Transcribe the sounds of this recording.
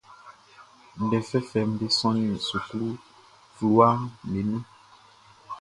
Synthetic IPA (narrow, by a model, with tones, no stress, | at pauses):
n̩˨dɛ˨fɛ˦fɛ˨m̩˦de˦sɔ̃˦nĩ˦˨su˨klu˦ | flu˦a˦me˨˦nɛ̃˦